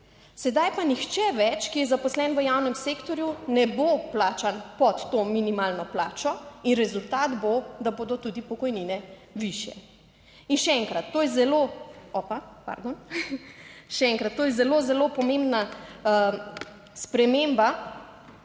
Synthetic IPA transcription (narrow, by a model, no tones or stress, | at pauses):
sɛd̪ajpanixt͡ʃɛʋɛt͡ʃkijɛzapɔslɛnʋəjawnɛmseːkt̪ɔɾjunɛboplaːt͡ʃanpɔt̪ːoːminimaːlnɔplaːt͡ʃɔinɾɛzult̪aːd̪bod̪aboːd̪ɔt̪ud̪ipɔkɔjninɛ | ʋiʃjɛ̰ | inʃɛɛŋkɾat̪ːoːjɛzɛloɔpapa̰ɾd̪on | ʃɛɛŋkɾat̪ːoːjɛzɛlozɛlopɔmẽmbna | spɾɛmemba